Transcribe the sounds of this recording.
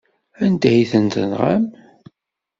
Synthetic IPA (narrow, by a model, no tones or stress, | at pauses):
ænd̪æhiθənt̪ə̰nʁa̰m